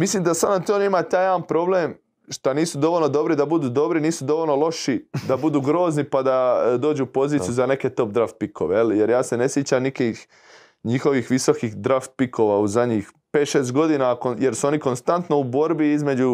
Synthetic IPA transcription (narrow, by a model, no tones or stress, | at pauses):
mislimd̪asad̪at̪ionimat̪aːjaːanpɾo̞bleːm | ʃt̪aniːsud̪o̞ʋolʲno̞d̪o̞bɾid̪abud̪uːd̪o̞bɾiniːsud̪o̞ʋolʲnolˠo̞ʃid̪abud̪uːɡɾo̞ːznipad̪ad̪o̞ːd͡ʒuupo̞ziːt̪ijuzane̞ke̞t̪o̞p̚d̪ɾaft̪̚pikʰoʋejelje̞ɾjaːse̞ne̞sjet͡ɕamnikix | ɲixo̞ʋixʋiso̞kixd̪ɾaft̪̚pikʰo̞ʋauzadɲix | pe̞ːt̪ʃeːst̪̚ɡo̞d̪iːnakoje̞ɾsuo̞niko̞nst̪ant̪no̞ubo̞ɾbiizme̞d͡ʑu